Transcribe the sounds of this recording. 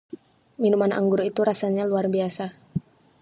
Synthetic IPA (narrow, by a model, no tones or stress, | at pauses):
minumanʔa̰ŋɡuɾit̪uɾasaɲaluarbiasa